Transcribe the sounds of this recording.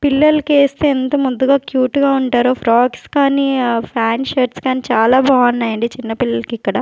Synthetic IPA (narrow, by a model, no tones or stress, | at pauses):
pilːɐlɐkeːst̪eːent̪ɐmund̪uɡaːkjuːʈɡaːuɳʈaːɾoːfʰɾaːkskaːnipʰɾaːnʃɐɾʈskaːnit͡ʃaːlaːbʱaːɐnːɐːjɐɳɖit͡ʃinːɐpilːɐlɐkikːɐɽɐ